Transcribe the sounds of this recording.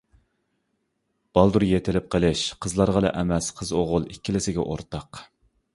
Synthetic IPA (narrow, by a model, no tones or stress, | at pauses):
b̥ɑlˠd̪uɾjet̪ʰɪlɪp̚qʰəlˠɪʃqʰəzlˠɑɾʁɑd̪ɛʔɛmɛsqʰəzoʁʊlˠikʲːilɪsɪɡʲɛ̰ʔo̰ɾt̪ʰɑq